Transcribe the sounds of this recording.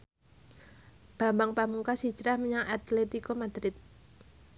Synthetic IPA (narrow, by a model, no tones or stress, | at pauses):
b̥a̤mbaŋpamuŋkasi̥t͡ʃɾahməɲaŋat̪let̪ikomad̪̥ɾɪt̪̚